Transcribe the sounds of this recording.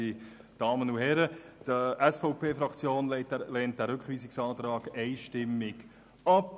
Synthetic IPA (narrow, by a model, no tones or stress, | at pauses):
i | d̥ɑːmənuhɛɾəd̥əɛsfɔʊpʰeːfɾɑkt͡sjoːnlɛtlɛːnt̚d̥̪æɾʏkχʋiːsɪksɑːt̪ɾɑːɡɛɪjʃtɪmːɪɡ | ɑp